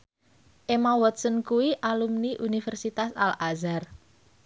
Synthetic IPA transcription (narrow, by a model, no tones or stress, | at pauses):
ʔemawɔt̪̚sənkuwiʔalumniʔunifɛrsit̪asa̰lazar